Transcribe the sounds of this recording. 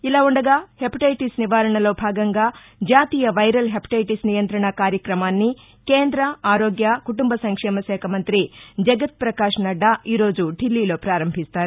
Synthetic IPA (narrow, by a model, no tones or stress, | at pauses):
ilaːuɳɖɐɡaːhepiʈɐjʈisniʋaːɾɐɳɐlo̞ːbʱaːɡɐŋɡaː | d͡ʒaːt̪iːjɐʋɐjɾɐlɦepi̥ʈɐjʈisnijɐnt̪ɾɐɳɐkaːɾjɐkɾɐmaːnːi | keːnd̪ɾɐaːɾoːɡjɐkuʈumbɐsɐŋkʂɛːmɐʃɛːkʰɐmɐnt̪ɾid͡ʒɐɡɐt̪̚pɾɐkaːʂnɐɖaʔiːɾo̞ːd͡ʒuɖʱilːiːlo̞ːpɾaːɾɐmbʱist̪aːɾu